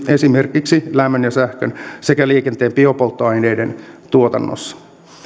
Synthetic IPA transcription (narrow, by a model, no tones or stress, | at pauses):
esime̞rkiksilæmːønjɑsæhkønse̞kæliːkent̪eːmpio̞po̞lt̪ːoɑjne̞ːde̞nt̪uot̪ɑnːo̰sːɑ̥